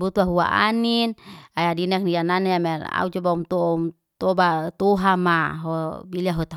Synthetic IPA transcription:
but̪uaɦua̰ʔa̰ninajadinɛk̚niananeamɛra̰ut͡ʃɔbaumt̪ɔm | t̪ɔbat̪uɦamaɦɔbiliaɦut̪a

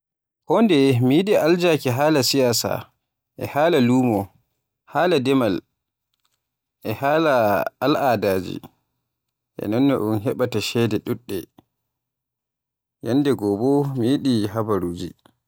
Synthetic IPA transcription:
hɔndɛmijiɗiʔald͡ʒakɛɦaːlasijaːsa̰ | ʔɛ̰haːlaluːmɔ | haːladɛmal | ʔɛhaːlaalʔaːdaːd͡ʒḭ | ʔɛ̰nɔnːɔ̰ʔunɦɛɓataʃɛdɛɗuɗːɛ | janːdɛɡɔbɔmijiɗiɦabaɾuːd͡ʒḭ

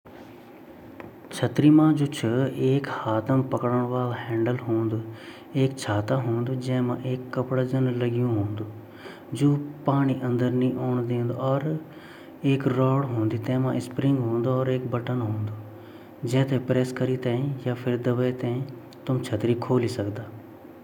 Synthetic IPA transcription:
t͡ʃʰət̪ɾimãd͡ʒoːt͡ʃʰəeːkhaːt̪əmpəkɽəɽ̃ʋaːlhɛ̃ːɳɖəlɦõːnd̪uː | eːkt͡ʃʰaːt̪aɦõːnd̪ud͡ʒɛ̃ːmãːʔeːkːəpɽad͡ʒənləɡjũɦõːnd̪uː | d͡ʒoːpaːɽ̃iʔɐ̃nd̪əɾnĩʔoːɳ̃d̪ẽːnd̪oɔːɾ | eːkɾɔːɽɦõːnd̪it̪ɛ̃ːmãʔɪspɾɪ̃ŋɡɦõːnd̪oɔːɾeːkbəʈənɦõːnd̪oː | d͡ʒɛ̃ːt̪ẽpɾɛːskəɾit̪ɛ̃ĩjaːpʰɪɾd̪əʋət̪ɛ̃ːĩ | t̪ʊmt͡ʃʰət̪ɾikʰoːlisəkd̪aː

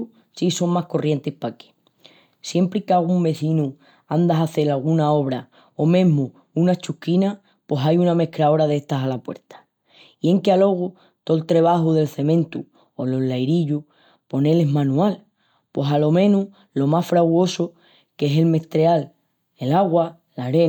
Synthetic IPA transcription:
siso̞ŋmahko̞rje̞nt̪epake̥ | sje̞mpɾikaɣumbe̞θinu | and̪aɦaθe̞ɾalɣ̞unao̞β̞ɾa | o̞mẽ̞ɦmu | unat͡ʃukina | po̞sajuname̞hkɾao̞ɾaðe̞ht̪asalapwe̞̰ɾt̪ḁ | ie̞ŋkealo̞ɣ̞u | t̪o̞lt̪ɾe̞β̞aɦuðe̞lθe̞mẽ̞nt̪ṵ | olo̞lːajɾiʎu | po̞ne̞le̞ɦmãnũal | pwo̞salo̞mẽ̞nu | lo̞masfɾaɣwo̞so | ke̞se̞lme̞ht̪ɾeal | e̞laɣwa | laɾe

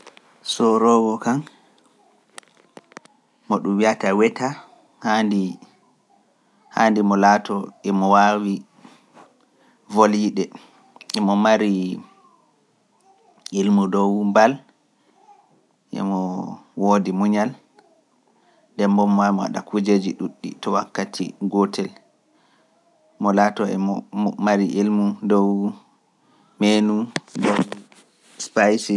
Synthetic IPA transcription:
sɔɾɔɡɔkan | mɔɗumwiatawɛta | handi | handimɔlaːtɔʔɛmɔwawi | voljiɗɛ | ɛmɔmaɾi | ilmudɔwmbal | ʔɛ̰mɔwodimuɲal | ndɛmbɔmːamɔwa̰ɗakud͡ʒed͡ʒiɗuɗːḭtɔwakːatʰḭɡɔtʰɛl | mɔlatɔɛmaɾiʔilmudɔw | menudɔw | spajsi

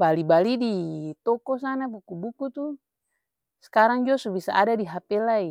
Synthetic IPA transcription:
balibalidit̪ɔkɔs̬anabukubukut̪u | sɛ̥kaɾaŋd͡ʒɔsubisa̰ʔadadiɦapɛlai

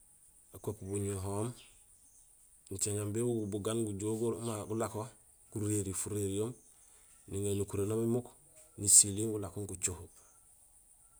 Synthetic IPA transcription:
akopbuɲoɦoːm | ɲt͡ʃeŋambebuɡubuɡanɡuɟoɡumaɡulako | kuɾeɾifuɾeɾijoːm | niŋenukuɾenomimuk | nisiliŋɡulakoŋkut͡ʃohu

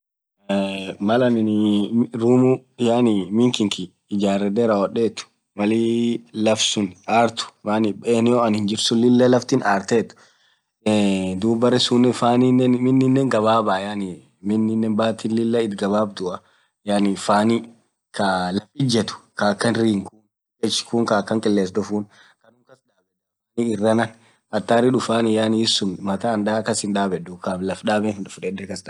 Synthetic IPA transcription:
mɐlɐnɪnɾuːmujaːnimɪŋkɪŋkiː | d͡ʒaːɾɛd̪ɛɾawɔᶑeːt̪ːʊ̥ | mɐliːlɐfsʊnaːɾt̪ʊ̥maːnɪbeːnɪjoɐnhɪnd͡ʒɪɾsʊnlɪlːɐlɐft̪ɪnaːɾt̪eːt̪ʊ̥ | d̪uːbɐɾɛsuːnːɛfaːninːɛnmɪnːɪnːɛːŋɡɐβaːbaːjaːni | mɪnːɪnːɛːnbaːt̪iːnlɪlːɐɪt̪ɡɐβaːbd̪ʊʔɐ | jaːnifaːni | kɐlɐfɪd͡ʒɛt̪ʊ̥kakːɐnɾiːŋkuːn | ɛt͡ʃːkuŋkakːɐŋkʼɪlːeːs̬d̪ʊfuːn | kɐnʊŋkɐsᶑaːbɛ | niɪrːɐnɐn | ɐt̪ːaːɾɪᶑʊfaːnɪjaːnɪɪsːʊnmɐt̪aːnd̪aːkːɐsɪnd̪aːbɛdʊkablɐfᶑaːbɛnɪnᶑʊfᶑɛd̪ɛkɐsda

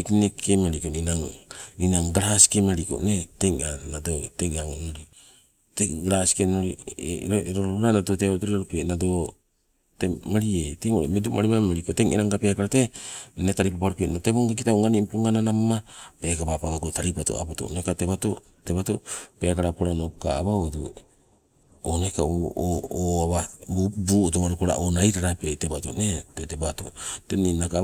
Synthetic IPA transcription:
knekʰemaɾikoninaŋninaŋɡɾasi̥kemaɾiko̰neteŋanadoteŋaŋonoɾi | teɡɾasi̥kenoɾiɾoɾoɾoɾanado̞teotoɾiaɾopenado̞ | temaɾieteŋoɾemedomaɾimamaɾikoteŋeɾaŋɡape̞akaɾatenetaɾipapaɾukenoteβoŋɡak̬itauŋanimpuŋananamamape̞kapapaɡaɡotaɾipato̰a̰poto̰o̰nekateβato | tebatope̞kaɾapoɾanoka̰ːβawotu | oneka | oaβabubuːotoβaɾokoɾa̰ʔonajɾaɾapetebato̰netetebato̰teninaka

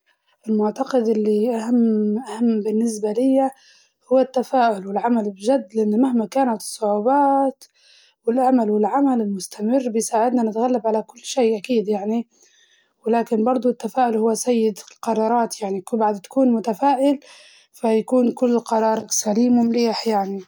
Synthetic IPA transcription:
ʔɪlmʊʕt̪ɑqɪd̪ʔɪlːiʔahamːʔahamːbɪnːɪs̬balɪjːa | hʊwːat̪ːafaːʔʊlwɪlʕamalbɪʒad̪ːlɪʔɪnːmahmakaːnat̪ɨ̥sˤːʊʕuːbaːt̪ | wɪlʔamalwɪlʕamalɪlmʊst̪amɪrːbɪjsaːʕɪd̪nanɪt̪ɣalːabʕalakʊlːʃeːʔakiːd̪jaʕni | wɪlaːkɪnbɑɾˤd̪ˤʊt̪ːafaːʔʊlhʊwːasajːɪd̪lqɑɾˤɑːɾˤɑːt̪jaʕnikbaʕad̪t̪ḁkuːnmʊt̪afaːʔɪl | fajakuːnkʊlːqɑɾˤɑːɾˤsaliːmʊmliːħjaʕni

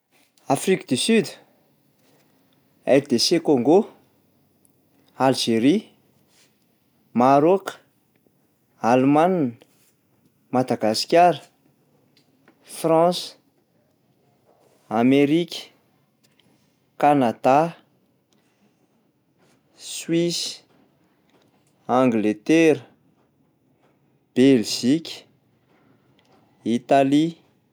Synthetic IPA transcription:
afrikəd̪ysyd̪ | ɛɾd̪esekoŋɡo | alʒeɾi | maɾok | almann | mad̪aɡasi̥kʲaɾə | frɑ̃s | ameɾikʲə̥ | kanad̪a | swis | ãŋɡlet̪eɾə | b̥elʒikʲə̥ | it̪ali

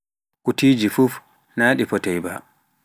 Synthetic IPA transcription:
ʔutiːd͡ʒifuf | naːɗifɔtɛjba̰

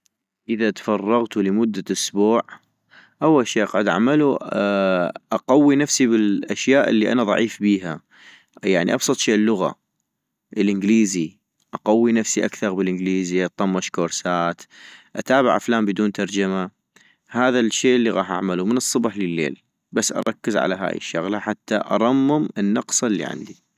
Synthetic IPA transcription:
ʔəðat̪fɑrˤːɑɣt̪uləmʊd̪ːaʔʊsbuːʕ | ʔawːalʃieːʔɑqʕʊd̪ʔa̰ʕmalu | ʔɑqawːinafsibɪlʔaʃjaːʔɪlːiʔa̰naðˤɑ̰ʕiːfbiːɦa | jaʕnḭʔɑbsˤɨt̪ˤʃeːʔlːʊɣa̰ | ʔlʔɪnɡliːzi | ʔɑqawːinafsiʔakθɑɾˤbɪlʔɪnɡliːziʔɑt̪ˤːɑmːɑʃkoːɾsaːt̪ʔat̪aːbɪʕʔa̰flaːmbɪd̪uːnt̪ɑɾˤd͡ʒama | haːðaʃːeːʔəlːiɣɑːħʔa̰ʕmalumənɨsˤːʊbħləlːḛːl | basːʔɑ̰ɾˤɑkːəzʕa̰laɦa̰ːjḭʃːaɣlaħat̪ːaʔɑ̰ɾˤɑmːɪmənːɑqsˤlːḭʕɪ̰nd̪i

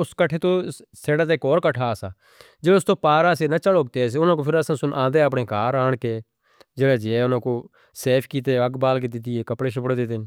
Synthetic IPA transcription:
ʊskəʈʰeːt̪oːseːɽãːt̪eɪkɔːɾkəʈʰaːsaː | d͡ʒeːʊst̪oːpaːɾaːseːnat͡ʃəloːɡ̚t̪eːs̬eʊnãːkoːpʰɪɾəsãːsʊnʔãːnd̪eːəpɳeːkaːɾaːɳkeː | d͡ʒeːɽeːd͡ʒeːʊnãːkoː | seːpʰkiːt̪eːəɡbaːlk̬eːd̪ɪt̪iːeːkəpɽeːʃəpɽeːd̪et̪eː

